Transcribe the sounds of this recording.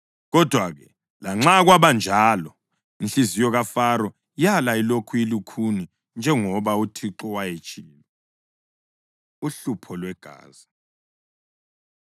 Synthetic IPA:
ɣɔd̥ʱwaɣɛ | laŋ͡ǁaɣwaβand͡ʒʱaːlɔ | inɬizijɔɣafaɾɔ | jalailokʰuilukʰuni | nd͡ʒʱɛŋɔβautʰiǁɔwajet͡ʃʼiːlɔ | uɬupʰɔlwɛɡ̥ʱa̰ːzi

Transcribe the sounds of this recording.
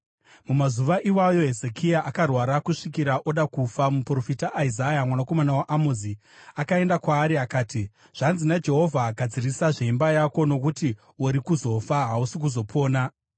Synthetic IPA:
mumazuʋaʔiwajo̞ɦe̞ze̞kijaʔakarwaɾakuʂikiɾaʔo̞ɗakufamupro̞fitaʔːizajamwanako̞manawaʔamozi | akae̞ndakwaːɾiakaːti | ʐ̥anzinad͡ʒe̞ɦo̞vʱaːɡʱad͡zirisaʐeimbajako̞no̞kuti | oɾikuzo̞faɦausik̬uzo̞pʰo̞ːna

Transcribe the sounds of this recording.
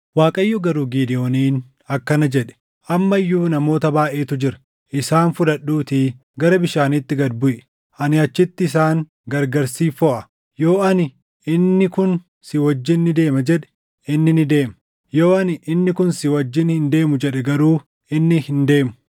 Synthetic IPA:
waːkʼɐjːɔɡɐɾuːɡiːd̪ɪʔo̞ːniːn | ɐkːɐnɐd͡ʒɛᶑɛ̥ | ʔɐmːɐjːuːnɐmo̞ːt̪ɐbaːʔe̞ːt̪ʊd͡ʒɪɾɐ̥ | ʔɪsaːnfʊᶑɐɗːuːt̪iː | ɡɐɾɐbɪʃaːnɪt̪ːɪɡɐd̪bʊʔɛ | ʔɐnɪɐt͡ʃːɪt̪ːɪːs̬aːŋ | ɡɐɾɡɐɾsiːfɔʔɐ | jo̞ːʔɐnɪ | ɪnːɪkʊn | sɪwɔd͡ʒːɪnːɪd̪e̞ːmɐd͡ʒɛᶑɛ̥ | ɪnːɪnɪd̪e̞ːmɐ | jo̞ːɐnɪʔɪnːɪkʊnsɪwɐd͡ʒːɪnhɪnd̪e̞ːmʊd͡ʒɛᶑɛɡɐɾuː | ɪnːɪhɪnd̪e̞ːmʊ̥

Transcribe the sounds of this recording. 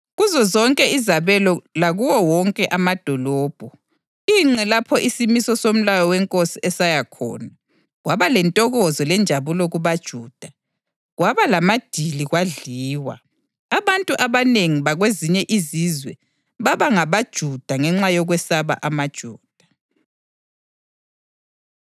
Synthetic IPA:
ɣuzɔzɔŋkʼɛizaβɛlɔlaɣuwɔwɔŋkʼɛʔamad̥ʱɔlɔːb̥ʱɔ | iːŋ͡ǁɛlapʰɔʔisimisɔsom̩lajɔwɛŋkʼosiɛsajakʰɔ̰ːna | ɣwaβalɛntʼɔɣɔzɔlɛnd͡ʒʱaβulɔɣuβad̥ʒ̥ʱuːd̥ʱa | ɣwaβalamad̥ʱiliɣwaɮiːwa̰ | aβantʼuʔaβaneŋiβaɣweziɲɛʔizizwɛ | βaβaŋaβad̥ʒ̥ʱud̥ʱaŋɛŋ͡ǁajɔɣwɛsaβa̰ʔamad̥ʒ̥ʱuːd̥ʱa

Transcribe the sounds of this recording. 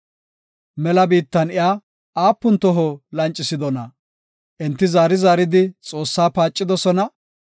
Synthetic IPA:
mɛlɐbiːt̪ːɐnɪjaː | aːpːʊnt̪ɔɦɔlɐnt͡ʃʼːɪsɪd̪ɔnɐ | ʔɛnt̪ːɪzaːɾɪzaːɾɪd̪ɪt͡sʼo̞ːsːaːpaːt͡ʃʼːɪd̪ɔsɔnɐ

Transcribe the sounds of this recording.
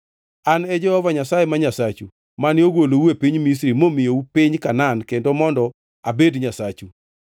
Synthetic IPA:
anɛd͡ʒɔhɔvaɲasajemaɲasat͡ʃu | manɪoɡwolouepiɲmis̬ɾimomɪjoupiɲkanankendomɔndɔ | abedɲasat͡ʃu

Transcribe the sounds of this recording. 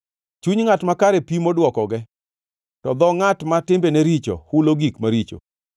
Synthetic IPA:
t͡ʃuɲŋatmakaɾepimodwɔkɔɡɛ | tɔd̪ɔŋatmatɪmbeneɾit͡ʃo̰huloɡikmaɾit͡ʃo̰

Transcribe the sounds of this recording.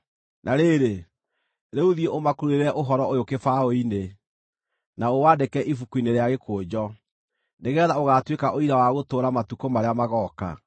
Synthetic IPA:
nʔaɾeɾe | ɾeuðieʔomakuɾueɾɛʔoɦɔɾɔojokefaoine | naowaːdekɛʔifukuineɾeaɣekʰoːd͡ʑɔ | neɣɛðaoɣaːtwekaʔoiɾawaɣotoːɾamatukomaɾeamaɣɔka̰

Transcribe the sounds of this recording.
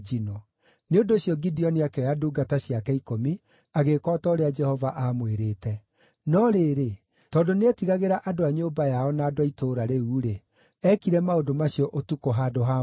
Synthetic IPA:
d͡ʒinɔ | neondoːɕjɔɡidiɔniakɛɔjaduːɡataɕiakɛikomi | aɣekɔːtɔoɾead͡ʒɛhɔvaʔamweɾeːtɛ | nɔɾeːɾe | tɔːndoneɛtiɣaɣeɾaʔadoaɲoːmbajaɔnaːdoaitoːɾaɾeuːɾe | ɛkiɾɛmaodomaɕiɔʔotukoɦaːdoɦa

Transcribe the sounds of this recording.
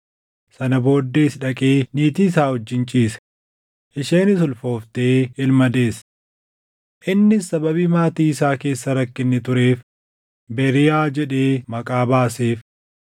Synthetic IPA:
sɐnɐbo̞ːd̪ːe̞ːsᶑɐkʼeːniːt̪iːs̬aːhɔd͡ʒːɪnt͡ʃʼiːsɛ̥ | ʔɪʃeːnɪsʊlfo̞ːft̪e̞ːɪlmɐd̪e̞ːs | ʔɪnːɪsɐbɐβiːmaːt̪iːɪsaːke̞ːsːɐɾɐkːɪnːɪt̪ʊɾe̞ːf | bɛɾɪjaːd͡ʒɛᶑe̞ːmɐkʼaːbaːse̞ːf

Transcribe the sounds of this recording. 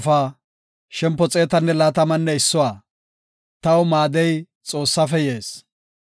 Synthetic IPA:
faː | ʃɛmpːɔt͡sʼe̞ːt̪ɐnːɛlaːt̪ɐmɐnːɛɪsːɔwaː | t̪ɐwmaːd̪ɛj | t͡sʼo̞ːsːɐfɛje̞ːs

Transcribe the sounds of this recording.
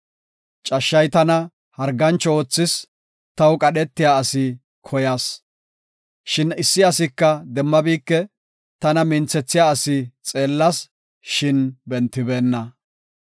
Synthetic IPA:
t͡ʃʼɐʃːɐjt̪ɐnɐ | hɐɾɡɐnt͡ʃːɔoːt͡sːɪs | t̪ɐwkʼɐɗɛt̪ːɪjaːsɪ | kʰɔjaːs | ʃɪnɪsːɪɐsɪkːɐd̪ɛmːɐbiːkːɛ | t̪ɐnɐmɪnt͡sɛt͡sːɪjaːɐsɪt͡sʼe̞ːlːɐs | ʃɪnbɛnt̪ːɪbe̞ːnːɐ

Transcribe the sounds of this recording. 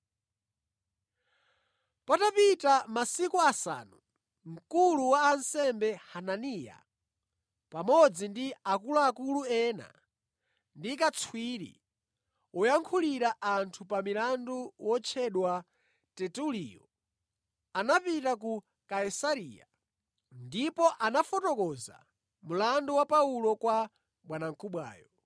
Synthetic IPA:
patapitamasikuasa̰ːnu | ŋ̩kuluwaːnsɛmbɛhananija̰ | pamɔd͡zindiakuluakuluɛːna̰ | ndikat͡sʰwiɾḭ | ɔjaŋkʰuliɾaʔantʰupamilanduwɔt͡ʃʰɛɗwa | tɛtuliːjɔ̰ | anapitak̬u | kaisaɾiːja̰ | ndipɔʔanafɔtɔkɔza̰ | mulanduwapaulɔkwa | ɓwanaŋ̩kuɓwa̰ːjɔ

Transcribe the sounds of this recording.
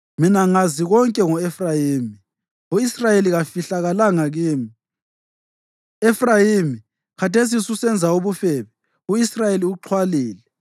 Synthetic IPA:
minaŋaziɣɔŋkʼɛŋɔefrajiːmi | uisrajeliɣafiɬaɣalaŋaɣiːmi | efrajimi | kʰatʰes̬isusɛnd͡zʱauβufɛːβɛ | uisrajeliuǁʰwaliːlɛ

